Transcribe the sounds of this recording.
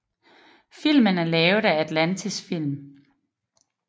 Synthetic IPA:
fil̰mənæɐlɛːʊð̩ˠææd̥lænt͡sʰisfil̰m

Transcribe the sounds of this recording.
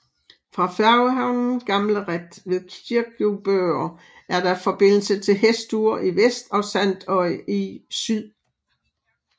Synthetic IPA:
fʁɑ̈fæɐwɦɑ̈ʊnn̩ɡ̥ɑ̈mləʁed̥ʋe̝ðˠkʰiɐɡ̥ub̥øɐ | ʔæɐd̥ɑ̈fɒ̽b̥e̝n̰l̩sət͡sʰe̝lɦesd̥uɐʔiʋesd̥ɒ̽sæn̰d̥ɒ̽ɪ̰isyð̰ˠ

